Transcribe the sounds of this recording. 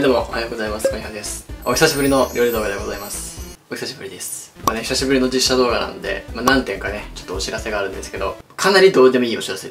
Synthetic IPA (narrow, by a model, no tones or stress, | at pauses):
d̪omo̞ʔohajoːɡo̞zaimasɨ̥koɲiɦãnd̪e̞sɨ̥o̞çʲi̥saɕibɯɾʲino̞ɾʲo̞ːɾid̪o̞ːɡad̪eɡo̞zaimasɨ̥ | oçi̥saɕibɯ̟ɾʲid̪esɨ̥mane̞çi̥saɕibɯ̟ɾino̞d͡ʑiɕːad̪o̞ːɡana̰nod̪e̞̰manãnt̪ẽ̞ŋkane̞t͡ɕot̪ːoːɕiɾase̞ɡaːɾɯ̟̃nd̪e̞sɨ̥ke̞d̪o̞̰kʰanaɾʲid̪o̞ːd̪e̞mo̞iːo̞ɕiɾase